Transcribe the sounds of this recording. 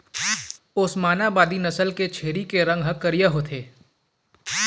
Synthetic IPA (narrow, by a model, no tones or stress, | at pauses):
ʊsmaːnabaːd̪inɐsəlket͡ʃʰeːɾikeɾɐ̃ŋɡɦɐkːəɾijaɦoːt̪ʰeː